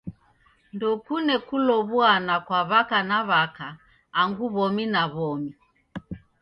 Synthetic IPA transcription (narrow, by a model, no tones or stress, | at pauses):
ndɔkunɛkulɔβuanakwaβakanaβakaː | ŋɡuβɔminaβɔmi